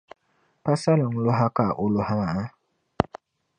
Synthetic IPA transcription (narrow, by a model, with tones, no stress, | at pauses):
pa˦sa˦lɔ˨ŋ˨lo˦ɦa˦ka˦˨ʔʊ˦lo˦ha˦ma˨a˦